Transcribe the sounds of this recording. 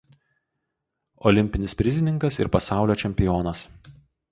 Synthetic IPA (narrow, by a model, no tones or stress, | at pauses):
ɔlʲɪmʲpʲɪnʲɪsʲpʲɾʲɪzʲɪnʲɪŋkɐsɪ̰ɾpɐsɑˑʊlʲoːt͡ʃʲɛmʲpʲɪjoːnɐs